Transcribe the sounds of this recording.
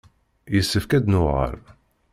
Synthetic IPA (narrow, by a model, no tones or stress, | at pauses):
jəsːəfkæd̪nʊʁə̰ɾ